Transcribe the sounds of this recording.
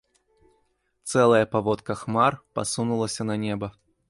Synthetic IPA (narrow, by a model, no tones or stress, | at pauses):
t̪sɛlˠɐjɐpavɔt̪kɐxmarpa̰sunulˠɐsʲɐnɐnʲɛbɐ